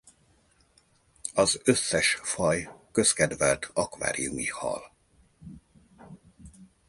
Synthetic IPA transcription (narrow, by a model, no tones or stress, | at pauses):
ɒzø̞sːɛʃfɒjkø̞skɛd̪vɛlt̪ʰɒkʋa̰ːɾijumihɒ̰l